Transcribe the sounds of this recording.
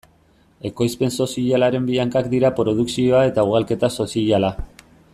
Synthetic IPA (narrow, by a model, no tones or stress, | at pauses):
e̞ko̞jspe̞nso̞siʎalaɾe̞mbiaŋkakd̪iɾapɾo̞ð̞uksio̞ae̞t̪auɣ̞alke̞t̪aso̞siiʎala